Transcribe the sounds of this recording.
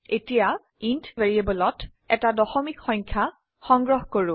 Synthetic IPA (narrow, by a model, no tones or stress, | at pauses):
etija | intveɹiebɔlɔt | ɛtadɔxɔmikxɔ̃jŋkʰa | xɔŋɡɹɔɦkoɹʊ